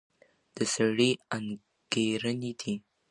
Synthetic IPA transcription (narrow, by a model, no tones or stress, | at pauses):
d̪̥əsaɽian | ɡ̥eɾənid̪i